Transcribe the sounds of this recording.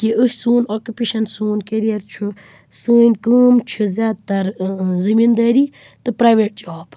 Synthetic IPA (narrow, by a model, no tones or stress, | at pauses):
kiʔɨʃsuːnoːkʲjupeʃɐnsuːnkeɾijɐɾt͡ʃʰu | sɨːnʲkəːmt͡ʃʰuzʲjaːd̪̚t̪ɐɾzɨmind̪ɐːɾiː | t̪ɨpɾaːʋeʈ̚d͡ʒaːb